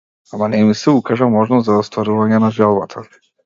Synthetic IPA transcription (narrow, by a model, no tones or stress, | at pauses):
amanɛmisɛukaʒamɔʒnɔst̪zaɔst̪vaɾuvaɲɛnaʒalˠbat̪ʰa